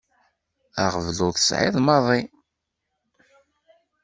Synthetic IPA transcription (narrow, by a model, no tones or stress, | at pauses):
aʁəvlʊðə̥sʕɪ̰ðˤmɑðˤi